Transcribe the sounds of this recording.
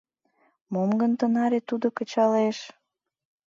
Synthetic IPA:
momɡənt̪ənɑɾet̪ud̪okət͡ɕɑleʃ

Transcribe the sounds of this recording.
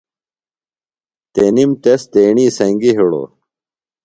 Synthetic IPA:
t̪enimt̪est̪eːɳiːsɐŋɡiɦiɽo̰

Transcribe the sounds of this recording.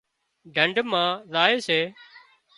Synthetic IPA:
ɖʱəɳɖʱmãːzaːeːseː

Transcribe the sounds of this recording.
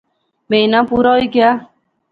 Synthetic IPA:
mejnãpuɾɔikea

